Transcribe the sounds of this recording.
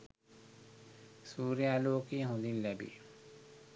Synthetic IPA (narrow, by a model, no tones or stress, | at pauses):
suːɾijaloːkiɦũd̪ilːɛbḭ